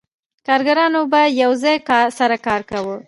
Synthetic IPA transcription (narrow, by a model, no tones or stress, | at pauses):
kɑɾɡaɾɑnobajawzɑjkɑsaɾakɑɾkawə